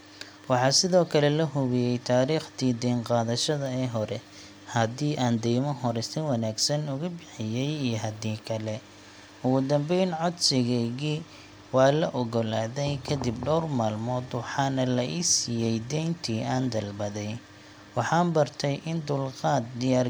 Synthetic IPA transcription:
wɑħɑːsɪðɔːkʰɐlɛlɐɦʊβɪjɛjt̪ʰaːɾiːχt̪ʰiːd̪ɛnqɑːðɐʃɐðɐɛːɦɔɾɛ | hɐd̪iːʔaːnd̪ɛjmɔɦɔɾɛst̪ɪnwɑnaːɡsɐnʊɣʊbɪħɪjɛjijɞɦɐd̪iːkʰɐlɛ | ʊɣʊd̪ɐmbɛjnʕɔd̪sɪɣɛɣiː | wɑːlɐʔɔɣɔlaːðɛjkʰɐd̪ɪbɖɔwrmaːlmɔːd̪wɑħɑːnɐlɐʔisiːjɛjd̪ɛjnt̪ʰiːʔaːnd̪ɐlbɐðɛj | wɑħɑːnbɐrt̪ʰɛjʔɪnd̪ʊlqɑːd̪̚d̪ɪjaːr

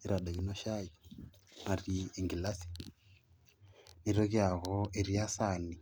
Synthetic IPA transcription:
iɾadaɣinoʃainarieŋɡilasi̥ | niɾoɣjaɣoeɾiasani

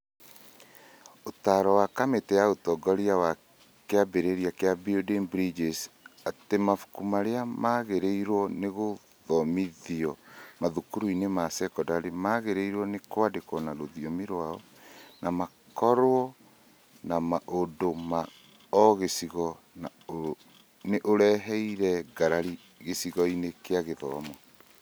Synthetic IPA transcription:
otaɾɔwakametɛjaotɔɡɔɾiawa | keabeɾeɾiakeabiodenbɾid͡ʒesatemafu̥kumaɾeamaɣeɾeiɾwɔneɣo | ðɔmiðiɔmaðukuɾuinemasɛkɔdaɾemaɣeɾeiɾwɔnekwadekɔnaɾoðiɔmiɾwaɔ | nama | kɔɾwɔ | namaʔodoma | ɔɣesiɣɔ | na | neʔoɾɛɦɛiɾɛɡaɾaɾi | ɣesiɣɔinekeaɣeðɔmɔ

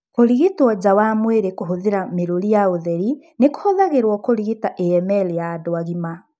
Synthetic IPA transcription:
koɾiɣitwɔd͡ʑawamweɾekoɦoðeɾameɾoɾijaoðɛɾi | neko̥hɔðaɣeɾwɔkoɾiɣitaʔeɛmɛlejaːdoaɣima

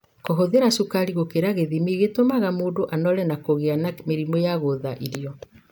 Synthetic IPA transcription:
kɔɦoðeɾaʃukaɾiɣokeɾaɣeðimiɣetomaɣamoːdoʔanɔɾɛnakoɣeanameɾimɔjaɣoðaʔiɾiɔ

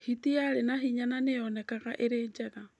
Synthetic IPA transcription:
hitiaɾenaɦiɲananejɔnɛkaɣaʔeɾeːd͡ʒɛɣa

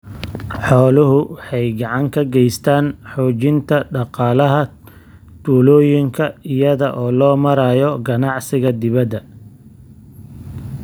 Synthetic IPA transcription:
ħɔːlʊɦʊwħɛjɡɑʕɑŋkʰɐɡɛjst̪ʰaːnħɔːt͡ʃɪnt̪ʰɐɖɑqɑːlɐɦɐ | t̪ʰuːlɔːjɪŋkʰɐɪjɐðɐʔɔːlɔːmɐɾaːjɔɡɐnɑʕsɪɣɐd̪ɪβɐd̪ːɐ

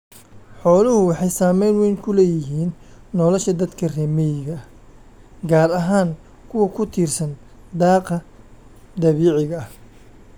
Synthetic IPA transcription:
ħɔːlʊhʊwɑħɑjsaːmɛjnwɛjŋkʰʊlɛːjɪɦiːnːɔlɔʃɐd̪ɐd̪kʰɐrɛːmɛjɪɣɐ | ɡaːɾɐɦaːŋ | kʰʊwɐkʰʊt̪ʰiːrsɐn | d̪ɑːqɐ | d̪ɐβiːʕɪɣɐh

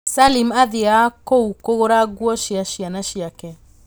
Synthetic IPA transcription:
salimaðeakoukoɣoɾaɡwɔʃiaʃianaɕiakɛ

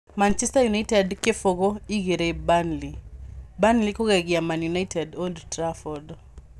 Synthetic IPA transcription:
mant͡ʃɛstajunaitɛdkefoɡoiɡeɾebanlibanlikoɡɛɡɪamanjunaitʰɛdoldtɾafɔd

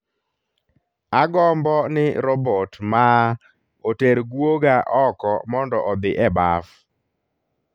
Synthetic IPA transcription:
aɡɔmbɔnɪɾɔbɔtma | oteɾɡwoɡaʔɔkɔmɔndɔʔɔd̪ɪʔɛba̰f

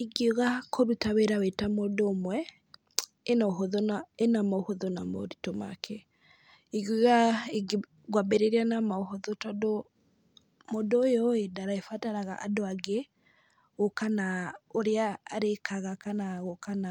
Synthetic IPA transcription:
iɡioɣakʰoɾutaweɾawetamodomwɛ | enaoɦoðɔnaenamaohoðonamo̰ɾitoma̰kʰɛ | iɡoɣae | ɡwabeɾeɾianamaoɦoðotɔdo | modojɔedaɾaefataɾaɣa̰ʔa̰doaɡe | ɣokanaoɾeaːɾekʰaɣakanaɣokana

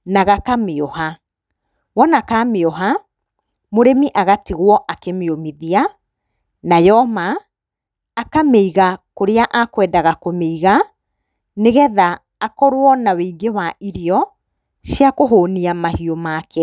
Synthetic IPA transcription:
naɣakameɔha | wɔnakameɔɦa | moɾemiʔaɣatiɣwɔʔakemeomiðia | najɔmaː | kameiɣakoɾeaʔakwɛːdaɣakomeiɣa | neɣɛðaː | kɔɾwɔnaweiɡewaʔiɾeɔ | ʃiakoɦoːniamahiomaːkɛ

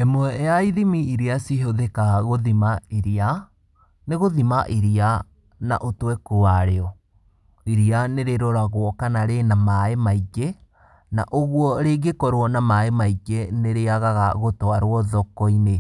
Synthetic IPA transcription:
ɛmwɛjaiðimiiɾeasiɦoðekaɣoðimaiɾia | neɣoðimaʔiɾia | na̰ʔotwɛkoaɾeɔ | iɾianeɾeɾɔɾaɣwɔkanaɾenamaemaiɡe | na̰ʔoɣwɔɾeɡekɔɾwɔnamaemaiɡeneɾeaɣaɣaɣotoaɾwɔðɔkɔine

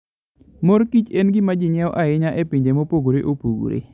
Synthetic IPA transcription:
moɾkit͡ʃenɡɪmad͡ʒɪɲɛɔʔaɪɲaʔepiɲd͡ʒemopoɡoɾeʔopoɡo̰ɾḛ

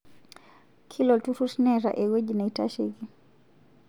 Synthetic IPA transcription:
kʰilɔltuɾusnɛɾa̰ʔɛɡwɛd͡ʒinaita̰ʃiɣi

